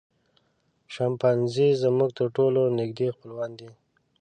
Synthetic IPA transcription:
ʃampanzizəmuɡ̚t̪əɾʈolonɪɡd̪expəlwɑnd̪i

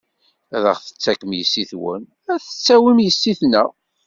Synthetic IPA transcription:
æðə̰ʁθə̥t͡sːækəmjəsːiθwə̰n | æθə̥t͡sːæwimjəsːiθnæ

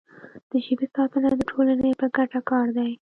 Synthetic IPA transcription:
d̪̥əʒəbisɑt̪ənad̪əʈʰolanəjpəɡaʈakɑɾd̪aj

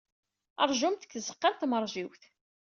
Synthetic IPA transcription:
ə̰ɾˤʒumt̪ə̥kːzəqːɑɾt̪məɾˤʒiwθ

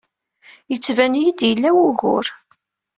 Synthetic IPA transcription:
jət͡sːvænjid̪jəlːæwʊɣʊ̰ɾ

